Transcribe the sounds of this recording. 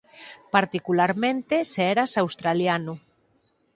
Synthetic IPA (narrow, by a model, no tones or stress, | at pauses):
paɾt̪ikulaɾmẽnt̪eseeɾasawst̪ɾaljanu